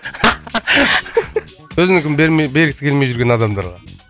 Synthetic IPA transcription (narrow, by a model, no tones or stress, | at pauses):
wɵzɪnɪkʲɪmbeɾmebe̞ɾɡʲɪsɪkʲʰelmejʒʏɾɡʲe̞nɑd̪ɑmd̪ɑ̰ɾʁɑ̰